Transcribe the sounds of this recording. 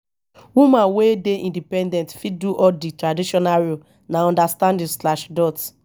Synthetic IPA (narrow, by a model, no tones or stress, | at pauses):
wumãnwedeʔĩndipɛ̃ndɛ̃ntfiduʔɔditɹadiʃɔnaɹio | naɔ̃ndastãndislaʃdɔt